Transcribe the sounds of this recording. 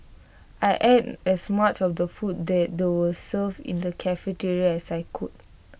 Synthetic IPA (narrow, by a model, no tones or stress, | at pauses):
ajʔɛdɛsmat͡ʃɔfdəfut̚dɛt̚dewəlsəvḭ̃ndəkʰɛfətiɹiɛsajkʰud̚